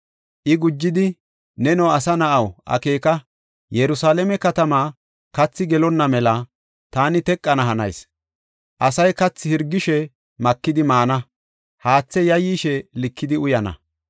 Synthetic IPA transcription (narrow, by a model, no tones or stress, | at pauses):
ʔɪɡʊd͡ʒːɪd̪ɪ | nɛnɐwɐsɐnɐʔɐwʔɐ̰ke̞ːkɐ | jɛɾʊsaːlɛmɛkɐt̪ɐmaː | kɐt͡sːɪɡɛlɔnːɐmɛlɐ | t̪aːnɪt̪ɛkʼːɐnɐɦɐnɐ̰js | ʔɐsɐjkɐt͡sːɪhɪɾɡːɪʃɛ | mɐkːɪd̪ɪmaːnɐ | haːt͡sːɛjɐjiːʃɛlɪkːɪd̪ɪʊjɐnɐ̰